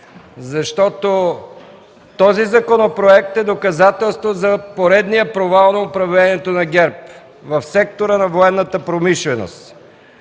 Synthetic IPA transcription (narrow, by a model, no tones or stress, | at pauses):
zɐʃt̪ɔt̪o | t̪ɔzizɐkonopɾoɛk̚t̪ɛd̪okɐzat̪ɛlˠst̪vozɐpoɾɛd̪nijəpɾovalˠnɐʊpɾɐvlɛniɛt̪onɐɡʲɛɾp̚ | vɐfsɛk̚t̪oɾənɐvoɛnːət̪əpɾomiʃlɛno̰st̪